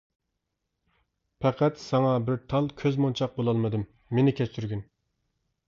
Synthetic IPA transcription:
pʰɛqʰæt̪sɑŋɑbɪɾt̪ʰɑlˠkʲʰøzmont͡ʃʰɑq̚bolˠɑlˠmɨd̪ɨmː | enɪkʲʰɛt͡ʃ̪yɾɡʲyn

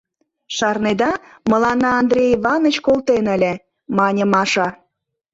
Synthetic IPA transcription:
ʃɑrned̪ɑ | mə̆lɑnɑːnd̪rʲejiβɑnə̆t͡ɕkolˠt̪enə̆lʲĕ | mɑnʲəmɑʃɑ

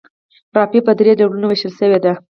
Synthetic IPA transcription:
ɾɑpipəd̪ɾed̪aɽunoweʃəlʃəwed̪a

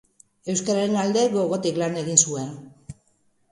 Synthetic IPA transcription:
e̞wskaɾaɾe̞nald̪e̞ɡo̞ɣo̞t̪iklane̞ɣinsue̞n

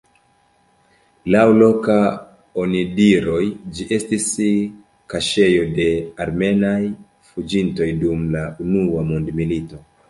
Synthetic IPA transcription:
lawlo̞ka | onidiɾo̞jd͡ʒiʔe̞stis | kaʃe̞jo̞de̞aɾme̞naj | fud͡ʒinto̞jdumlaunuamondmilito̞

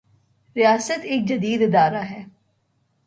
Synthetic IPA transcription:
ɾijaːsət̪ɪk̚d͡ʒɐd̪iːd̪ɪd̪aːɾaɦɛː

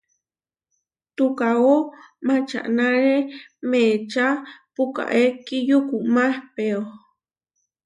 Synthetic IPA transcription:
t̪ukao | mat͡ʃa̰ʔnaɾemet͡ʃapuka̰ʔekijukumahpeo

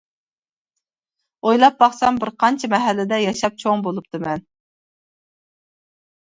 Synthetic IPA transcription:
ojlˠɑp̚bɑχsɑmbɪɾqʰɑnt͡ʃʰɛmɛɦɛlːɪd̪ɛjɑʃɑp̚t͡ʃʰoŋbolˠup̚t̪ʰɨmɛn

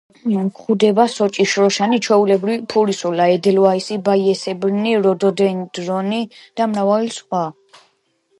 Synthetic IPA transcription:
kχud̪ɛbasɔt͡ʃʼiʃɾɔʃanit͡ʃʰwɛulɛbɾipʰuɾisɔlaɛd̪ɛlɔaisibaiɛsɛbɾniɾɔd̪ɔd̪ɛnd̪ɾɔnid̪̥amɾavalisχwa

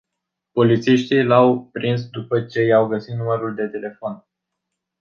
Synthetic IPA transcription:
po̞lit̪siʃt̪ilawpɾinsd̪upət͡ʃe̞jawɡəsit̪numəɾuld̪e̞t̪ele̞fon

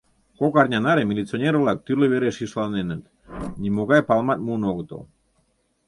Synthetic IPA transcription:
kokaɾɲʲanaɾemilit͡sionʲeɾolak̚t̪yɾleβeɾeʃiʃlanenət̪ | nʲimoɣajpalmat̪̚muːnoɣt̪o̰

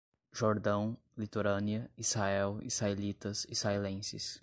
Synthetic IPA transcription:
ʒoɾd̪ɐ̃w̃ | lit̪oɾɐ̃niɐizhaɛwḭzhaelit̪ɐsizhaelẽsɪ̰s

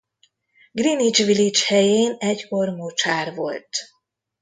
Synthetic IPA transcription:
ɡrinit͡ʃʋilit͡ʃhɛjeːnɛcko̞rmoːt͡ʃaːrvo̞̰lt̪

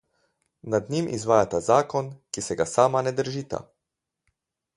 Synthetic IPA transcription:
nad̪nimʔizʋaːjat̪azaːkɔnkisɛɡasaːmanɛd̪əɾʒiːt̪a̰

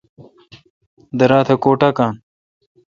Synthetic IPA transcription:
d̪ɐɾaːt̪ʰɐkoːʈakaːn

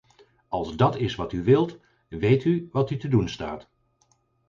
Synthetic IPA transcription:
ɑlˠzdɑtɪsʋɑtyʋɪlˠt | ʋejtyʋɑtytədunsta̰ːt

